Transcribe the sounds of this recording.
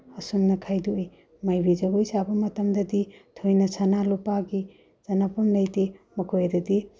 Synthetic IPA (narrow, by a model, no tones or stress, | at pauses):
ɐsumnɐkʰajduij | majbizɐɡojsabɐmɐtɐmdɐditʰojnɐsanalupaɡi | z̥ɐnapɐmlɐjtimɐkʰojadɐdi